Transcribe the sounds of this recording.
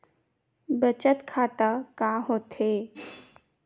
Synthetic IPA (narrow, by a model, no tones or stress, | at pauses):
bət͡ʃət̪kʰat̪əkaɦot̪ʰe